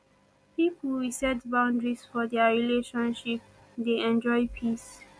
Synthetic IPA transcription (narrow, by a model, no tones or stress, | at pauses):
piplɹisɛtbãw̃ndɹisfɔd̪ɛɹileʃɔ̃nʃip̚ | d̪eɛ̃nd͡ʒɔjpʰis